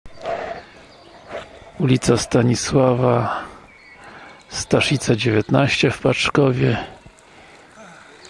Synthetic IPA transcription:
ulʲit̪sast̪aɲiswava | st̪aʂʲit̪sad͡ʑevʲɛt̪naɕt͡ɕɛfpat͡ʂkɔvʲjɛ

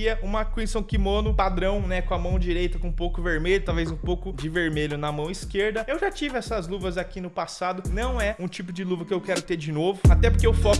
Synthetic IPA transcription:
iɐũmɐkõisɐ̃w̃kimonʊpad̪ɾɐ̃w̃nɛkõɐmɐ̃w̃d͡ʒiɾejt̪ɐkõũpowkʊveɾmeʎʊt̪awvezũpowkʊd͡ʒɪveɾmeʎʊnɐmɐ̃w̃iskeɾd̪ɐewʒat͡ʃivɪɛsɐzluvɐzakinʊpasad̪ʊnɐ̃w̃ɛũt͡ʃipʊd͡ʒɪluvɐkɪewkɛɾʊt̪eɾd͡ʒɪnovʊat̪ɛpoɾkeewwfɔ

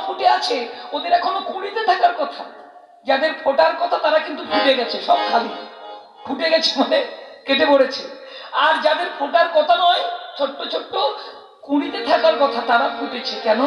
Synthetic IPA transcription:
bʰʱuʈeat͡ɕʰeod̪eɾɛkʰonokuɽ̃it̪et̪ʰakaɾkɔt̪ʰa | d͡ʑad̪eɾpʰoʈaɾkɔt̪ʰat̪aɾakint̪ubʱuʈeɡɛt͡ɕʰeʃɔbkʰali | bʱuʈeɡɛt͡ɕʰemolekeʈepoɽet͡ɕʰeaɾd͡ʑad̪eɾpʰoʈaɾkɔt̪ʰanɔet͡ɕʰoʈːot͡ɕʰoʈːo | kuɽ̃it̪et̪ʰakaɾkɔt̪ʰat̪aɾabʰʱuʈet͡ɕʰekɛno

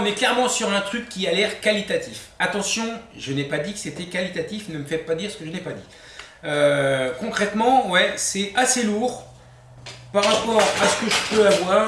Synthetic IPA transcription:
ɔ̃nɛklɛʁmɑ̃syʁɛ̃t̪χykʲːialɛʁkalit̪at̪ʰifat̪ɑ̃sjɔ̃ʒənɛpad̪ikə̥set̪ɛkalit̪at̪ifnəməfɛpad̪iʁsə̥kəʒənɛpad̪i | økɔ̃kχɛt̪mɑ̃wɛsɛaseluʁ | paʁːapɔʁasə̥kəʒəpøavwaːʁ

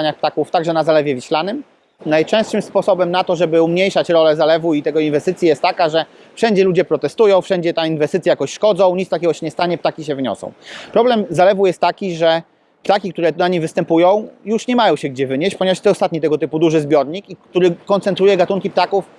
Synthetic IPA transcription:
aɲaxp̚t̪akuft̪aɡʐɛnazalɛvʲjɛvʲiɕlanɘm | najt͡ʂɛ̃st̪ʂɘmspɔsɔbɛmnat̪ɔʐɛbɘumɲejʂat͡ɕɾɔlɛzalɛvuit̪ɛɡɔinvɛst̪ɘt̪sʲjijɛst̪ːakaʐɛ | fʂɛɲd͡ʑɛlud͡ʑɛpɾɔt̪ɛst̪ujɔ̃w̃fʂɛɲd͡ʑɛt̪ainvɛst̪ɘt̪sʲjajakɔɕʂkɔd̪zɔ̃w̃ɲit̪st̪akʲɛɡɔɕɛɲɛst̪aɲɛpt̪akʲiɕɛvɘɲɔ̰sɔ̰̃w̃pɾɔblɛmzalɛvujɛst̪ːakʲiʐɛ | pt̪akʲikt̪uɾɛnaɲivɘst̪ɛmpujɔ̃w̃juʂɲɛmajɔ̃w̃ɕɛɡ̚d͡ʑɛvɘɲeɕt͡ɕpɔɲevaʂt̪ɛɔst̪at̪ɲit̪ɛɡɔt̪ɘpud̪uʐɘzbʲjɔɾɲikikt̪uɾɘkɔnt̪sɛnt̪ɾujɛɡat̪uŋkʲip̚t̪akuf

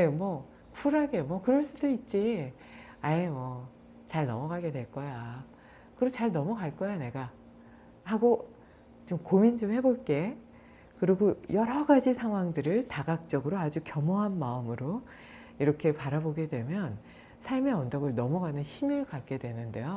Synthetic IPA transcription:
ne̞mwʌ | kʰuɾaɡe̞mwʌkɯɾʌɭs͈udoit̚t͡ɕ͈i | ajemwʌ | t͡ɕaɭnʌ̰mʌɡaɡe̞dwe̞ɭk͈ʌja | kɯɾot͡ɕaɭnʌmuɡaɭk͈ʌjane̞ɡa | haɡo | t͡ɕomkomind͡ʑomhe̞boɭk͈e̞ | kɯɾiɡojʌɾʌɡad͡ʑisʰaŋɦwaŋdɯɾɯɭtaɡak̚t͡ɕ͈ʌɡɯɾoad͡ʑukjʌmoɦanmaɯmɯɾo | iɾʌkʰe̞paɾaboɡe̞dwe̞mjʌn | sʰaɭme̞ʌndʌɡɯɭnʌmuɡanɯnçimɯɭkak͈e̞dwe̞nɯnde̞jo

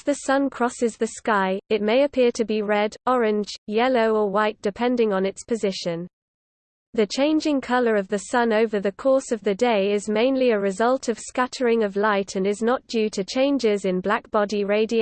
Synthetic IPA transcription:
ðəsʌ̃nkʰɹ̥ɒsɪzðəskaɪɪt̚meɪəpʰɪətʰəbiɹɛdɒɹɪ̃nd͡ʒjɛloʊəwaɪʔ̚d̥ɪpʰɛ̃ndɪ̃ŋə̃nɪtspʰəzɪʃə̃n | ðɨt͡ʃʰẽɪ̃nd͡ʒɪ̃ŋkʰʌləɹʌvðɨsʌ̃noʊvəðəkʰɔˑsəvðɨdeɪɪzmẽɪ̃nliəɹɪzʌlˠtʰəv̥skatʰəɹɪ̃ŋəvlaɪtʰə̃nɪznəʔ̚d̥jʉːtʰɨt͡ʃʰẽɪ̃nd͡ʒɪzɪ̃nblak̚b̥ɑdiɹeɪdi

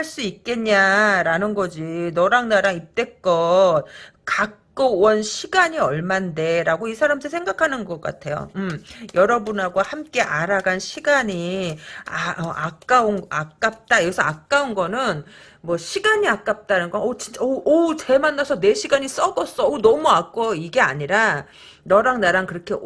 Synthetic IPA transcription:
haɭs͈uik͈e̞ɲaɾanɯnɡʌd͡ʑinʌɾaŋnaɾaŋip̚t͈e̞k͈ʌt̚kak̚k͈owʌnɕʰiɡaɲiʌɭmande̞ɾaɡoisʰaɾamdʰɯsʰe̞ŋɡakʰanɯnɡʌk͈a̰tʰe̞jo̰ɯmjʌɾʌbunaɡwahamk͈e̞ʔaɾaɡanɕʰiɡaɲi | aʌʔakk͈aunak̚k͈ap̚t͈ajʌɡesʰʌak̚k͈aunɡʌnɯn | mwʌɕʰiɡaɲiak͈ap̚t͈anɯnɡʌnʌt͡ɕint͡ɕ͈aʔʌt͡ɕe̞manːasʰʌne̞ɕʰiɡaɲis͈ʌɡʌs͈ʌonʌmuak͈oiɡe̞aɲiɾaː | ʌɾaŋnaɾankɯɾʌkʰe̞

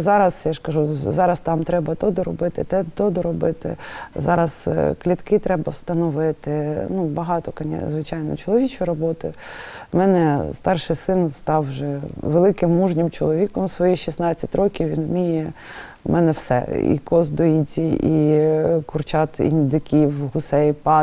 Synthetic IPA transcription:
zɑɾɐzjaʒkɐʒuzɑɾɐst̪ɑmt̪ɾɛbɐt̪ɔd̪ɔɾɔbɪt̪ɪt̪ɛt̪ɔd̪ɔɾɔbɪt̪ɪ̰zɑɾɐzklʲit̪kɪt̪ɾɛbɐwst̪ɐnɔʋɪt̪ɪnubɐɦɑt̪ɔkɐnʲɛ̰zʋɪt͡ʃɑjnɔ̰t͡ʃɔlˠɔʋʲit͡ʃʊjɾɔbɔt̪ʊ̰jʊmɛnɛst̪ɑrʃɪjsɪnst̪ɑwʒɛʋelˠɪkɪmːuʒnʲɪmt͡ʃɔlˠɔʋʲikɔmsʋɔjixʃisnɑt͡sʲːɐtʲrɔkʲiwʋʲinmʲijɛ | mʔɛnɛwsɛ̰ḭkɔzd̪ɔitʲiikʊrt͡ʃɑt̪ḭnʲd̪ɪkʲiwɦʊsɛjpɑ

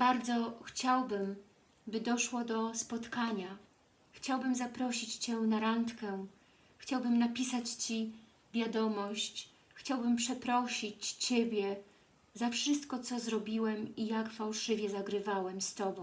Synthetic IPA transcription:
baɾd̪zɔxt͡ɕawbɘm | bɘd̪ɔʂwɔd̪ɔspɔt̪kaɲa | xt͡ɕawbɘmzapɾɔɕit͡ɕt͡ɕɛnaɾant̪kɛ | xt͡ɕawbɘmnapʲisat͡ɕt͡ɕi | vʲjad̪ɔmɔɕt͡ɕ | xt͡ɕawbɘmpʂɛpɾɔɕit͡ɕt͡ɕebʲjɛ | zafʂɘst̪kɔt̪sɔzɾɔbʲiwɛmijakfawʂɘvʲjɛzaɡɾɘvawɛmst̪ɔbɔ̃w̃

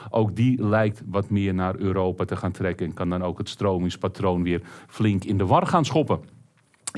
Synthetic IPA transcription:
ʔowkdilɛjk̚tʋɔtmɪərnaːrøːɾoːwpatəxaːntʰrɛkəɛnkɑndɔnowkətstroːmɪŋspatroːnʋɪərflɪŋkɪndəʋɔrxaːnsχopə

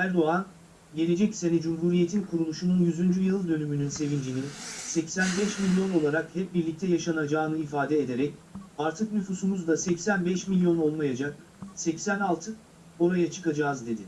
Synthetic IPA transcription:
æɾd̪o̞an | ɟe̞lʲe̞d͡ʒɛcse̞nid͡ʒumɦuɾije̞t̪ʰinkʰuɾulˠuʃununjyzynd͡ʒyjɯlˠd̪ø̞nymynynse̞vind͡ʒininsɛcsænbɛʃmilʲjo̞no̞lˠaɾakhɛp̚biɾlʲic̚t̪ʰɛjaʃanad͡ʒaːɯnɯifaːd̪ɛed̪e̞ɾɛcaɾt̪ʰɯknyfusumuzd̪asɛcsænbɛʃmilʲjo̞no̞lˠmajad͡ʒak̚ | sɛcsænalˠt̪ʰɯ | o̞ɾajat͡ʃʰɯ̥kad͡ʒaːzd̪e̞d̪ɪ

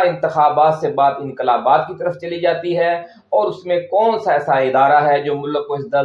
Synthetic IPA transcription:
ɪ̃nt̪ɪxaːbaːt̪sebaːd̪ɪ̃nkəlaːbaːt̪kit̪əɾəft͡ʃɐlid͡ʒaːt̪iɦɛ | ɔːɾʊsmẽkɔːnsaɛːsaɪd̪aːɾaɦɛd͡ʒoːmʊləkod̪ə

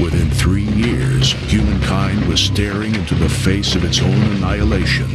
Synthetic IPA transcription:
wɪθɪ̃nθɹijɪɹz̥hjʉmɨ̃nkʰãɪ̃nd̚wʌz̥stɛɹɪ̃ŋɪ̃ntʉðɨfeɪsʌvɨtsõʊ̃nɨnaɪəleɪʃɨ̃n

